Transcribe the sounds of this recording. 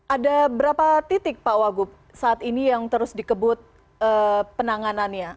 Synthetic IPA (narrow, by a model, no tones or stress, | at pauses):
ʔadabəɾapat̪it̪ɪk̚pawaɡʊp̚ | saːt̪inijaŋt̪əɾʊsdikəbʊt̪̚ | əpənaŋananɲa